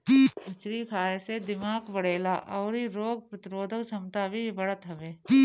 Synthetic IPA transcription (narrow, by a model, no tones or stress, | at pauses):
kiːɐt͡ʃɾikʰaːesed̪ɪmaːkbɐɽeːlaʔɔːɾiɾoːɡ̚pɾɐt̪ɪɾoːd̪ʱəksʰɐmt̪abʱibɐɽət̪ɦɐʋeːiː